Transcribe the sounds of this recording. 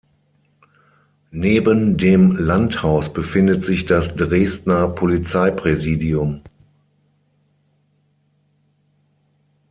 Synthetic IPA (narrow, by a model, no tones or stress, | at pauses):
neːbəndeːmlanthaʊsb̥əfɪndətz̥ɪçd̥asd̥ʁeːstnɐpʰolit͡saɪpʁ̥ɛziːdiʊm